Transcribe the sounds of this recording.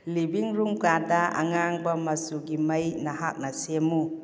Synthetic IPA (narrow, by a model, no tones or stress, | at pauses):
libiŋɾumkadaʔa̰ŋaŋbɐmɐsuɡimɐjnɐɦak̚nɐsemu